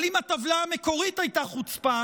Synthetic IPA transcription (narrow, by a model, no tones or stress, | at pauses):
limat̪avlaame̞ko̞ʁitajt̪aχut͡spa